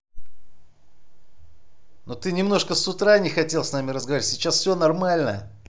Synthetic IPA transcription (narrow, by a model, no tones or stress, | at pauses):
not̪ɨnʲɪmno̞ʂkəsːʊt̪ɾanʲɪxɐtʲe̞lˠsnamʲɪɾəzɡɐvaɾʲɪtʲsʲɪt͡ɕasfsʲɵnɐrmalʲnəjə